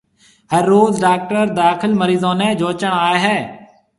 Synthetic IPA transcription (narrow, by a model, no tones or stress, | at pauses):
ɦəɾːoːzɖaːk̚ʈəɾd̪aːkʰɪlməɾiːzõːnẽːd͡ʒoːt͡ʃəɳ̃aːeɦɛː